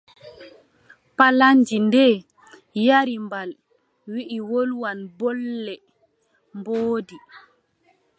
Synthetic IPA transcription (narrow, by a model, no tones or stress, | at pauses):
palaɲd͡ʒindɛː | jaɾimbal | wiʔiwolwanbɔlːɛ | mboːdi